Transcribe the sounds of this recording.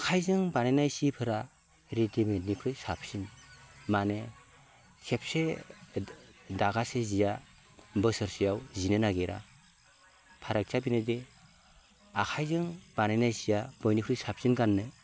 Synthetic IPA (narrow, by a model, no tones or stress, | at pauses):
kʰajzɯŋbanajnajsipʰɯɾa | ɾetimetnikʰɾɯjsap̚sinmane | sep̚se | daɡasezija | bɯsɯɾsijawzinɯnaɡeɾa̰ | pʰaɾak̚t͡ʃʰabinɯde | akʰajzɯŋbanajnajsijabɔjnikʰɾɯjsap̚sinɡanːɯ